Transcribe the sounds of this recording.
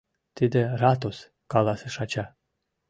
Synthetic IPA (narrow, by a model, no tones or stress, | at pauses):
t̪id̪eɾat̪os | kalˠasɨʃat͡ɕa